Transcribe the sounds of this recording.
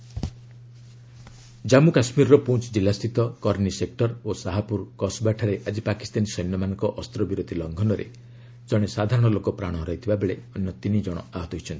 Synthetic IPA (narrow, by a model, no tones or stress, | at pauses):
d͡ʒamukasmiɾɔɾɔpũt͡ʃd͡ʒilast̪ʰit̪ɔkɔɾnisek̚ʈɔɾosaɦapuɾkɔsbaʈʰaɾeʔad͡ʒipaki̥st̪anisɔjnɔmanɔŋkɔʔɔst̪ɾɔbiɾod̪ʱilɔŋɡʱɔnɔɾḛ | d͡ʒɔɽ̃esad̪ʱaɾɔɽ̃ɔlokɔpɾaɽ̃ɔɦɾɔjt̪ʰibabeɭeɔnjɔt̪inid͡ʒɔɽ̃ɔ̰aɦɔt̪ɔɦit͡ʃʰɔnt̪i̥